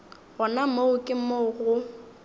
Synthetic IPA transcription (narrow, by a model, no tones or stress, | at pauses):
ɣɔnamoʊkʼɪmoɣʊ